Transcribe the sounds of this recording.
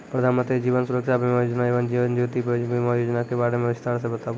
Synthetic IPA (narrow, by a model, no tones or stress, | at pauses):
pɾəd̪ʱaːnmə̃nt̪ɾid͡ʒiːʋənsuɾəkʃabʱimajod͡ʒnaiʋənd͡ʒiʋənd͡ʒut̪ibbʱimajoːd͡ʒnakebaɽemẽʋɪst̪aɾs̬ebət̪a